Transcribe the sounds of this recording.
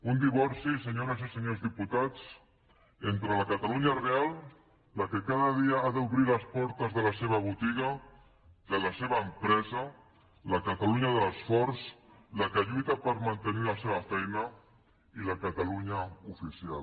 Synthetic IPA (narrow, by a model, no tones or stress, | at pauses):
und̪iβ̞ɔɾsiseɲoɾəzisəɲozðiput̪at͡s | ent̪ɾələkət̪aluɲarealˠ | lakəkaðəðiaaðəuβɾiləspɔɾt̪əzðələseβɐβ̞ut̪iɣa | d̪ələseβəːmpɾɛzə | ləkat̪aluɲaðələsfɔɾzlakəʎujt̪apəɾmant̪əniləseβɐfɛjnə | iləkat̪aluɲaufisia̰l